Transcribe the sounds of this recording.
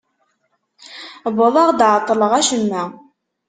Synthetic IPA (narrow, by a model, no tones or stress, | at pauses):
bəðˤɑʁd̪ʕət̪ˤːələʁæʃəmːæ